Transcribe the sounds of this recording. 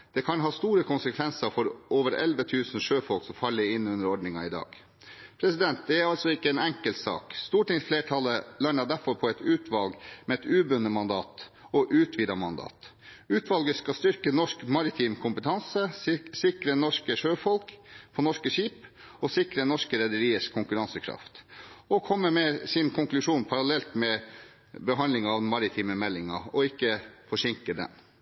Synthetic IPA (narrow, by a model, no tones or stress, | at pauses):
d̪̥ɛkʰɑnɦɑːst̪uːɾəkʰʊnsəkʰʋɛnsəɾfɔɾʔoːʋəɾɛ̰lʋət̪ʰʉːsn̩ʂøːfɔlksɔmfɑlːəɾɪnːʉnd̪əɾɔɖɳɪŋɑɪd̪ɑ̰ːɡ | pʰɾɛsɪd̪ɛnt̪̚d̪ɛæɾɑlt̪sɔɪkːəɛːnɛŋkəlt̪sɑ̰ːkst̪uːʈɪŋsfleːʈʰɑlːəlɑɳəd̪æɾfɔɾpʰɔɛt̪ʉːt̪ʰʋɑlɡmɛɛt̪ʉːbʉnːəmɑnd̪ɑ̰ːt̪ | ɔʔʉːt̪ʰʋɪd̪ɑmɑnd̪ɑ̰ːt̪ | ʉːt̪ʰʋɑlɡəskɑst̪ʏɾkənɔʂkmɑɾɪt̪ʰiːmkʰʊmpət̪ʰɑnsəsɪkɾənɔʂkəʂøːfɔlkpʰɔnɔʂkəʂiːp | ɔsɪkɾənɔʂkəɾɛd̪əɾiːəʂkʰʊŋkʉɾɑnsəkʰɾɑ̰ft̪ɔkʰɔmːəmɛsɪnkʰʊŋklʉʂuːnpʰɑɾɑlɛlt̪mɛ | bəɦɑnd̪lɪŋɑɑʋmɑɾɪt̪ʰiːməmɛlːɪŋɑ̰ɔɪkːəfɔʂɪŋkəd̪ɛ̰n